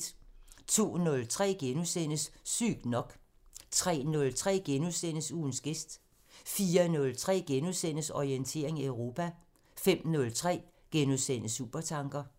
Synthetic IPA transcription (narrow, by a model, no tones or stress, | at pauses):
d̥t͡sʰo̝̰ːnɔ̽lt͡sʰʁɛ̰ːɡ̥enusen̰əsːy̰ɡ̥nɒ̽ɡ̥ | t͡sʰʁɛ̰ːnɔ̽lt͡sʰʁɛ̰ːɡ̥enuðˠsen̰əsuːn̩sɡ̥esd̥ | fiːɐnɔ̽lt͡sʰʁɛ̰ːɡ̥enuðˠsen̰əsɒient͡sʰe̝̰ɐeŋæøʊʁo̝pʰæ | fem̰nɔ̽lt͡sʰʁɛ̰ː | ɡ̥enuðˠsen̰əsṵb̥ɐt͡sʰɑ̈ŋɡ̥ɐ